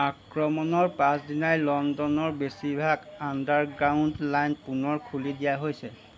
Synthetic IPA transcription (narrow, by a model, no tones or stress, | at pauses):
akɹɔmɔnɔɹpãsdinajlɔndɔnɔɹbesibʱaɡandaɹɡɹaundlajnpunɔɹkʰulidijaɦojsɛ